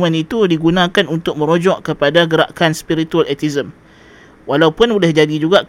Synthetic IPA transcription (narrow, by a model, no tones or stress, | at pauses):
mə̃nit̪udiɡunãkanunt̪ʊk̚mə̃ɾod͡ʒɔʔkːəpadaɡəɾa̰ʔkanspiɾit̪ualʔɛt̪izəm | walawpʊnbulɛhd͡ʒadid͡ʒuɡaʔ